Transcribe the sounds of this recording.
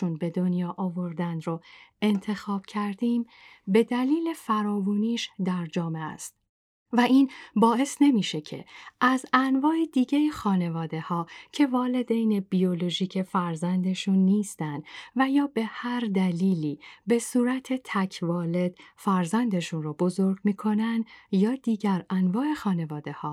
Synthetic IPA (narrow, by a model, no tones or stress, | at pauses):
unbe̞d̪o̞njɒːʔɒvo̞ɾd̪ænd̪ɾoe̞nt̪ʰe̞xɒːb̥cʰæɾd̪iːm | be̞d̪æliːle̞fæɾɒːvuːniːʃd̪æɾd͡ʒɒːme̞æ̰st̪̚ | væʔiːnbɒːe̞sne̞miːʃe̞cʰe̞̰ʔæzænvɒːed̪iːɟejixɒːne̞vɒːd̪e̞hɒːcʰe̞vɒːle̞d̪ejne̞biolo̞ʒiːcʰe̞fæɾzænd̪e̞ʃunːiːst̪ænd̪væjɒːbe̞hæɾd̪æliːliːbe̞suːɾæt̪ʰe̞t̪ʰæcʰvɒːle̞d̪̥fæɾzænd̪e̞ʃunrobo̞zo̞ɾɡmiːkʰo̞nænd̪jɒːd̪̥iːɟæɾænvɒːe̞xɒːne̞vɒːd̪e̞hɒː